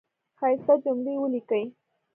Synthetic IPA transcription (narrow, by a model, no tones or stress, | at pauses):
xɑjsad͡ʒʊmɽewəlikəj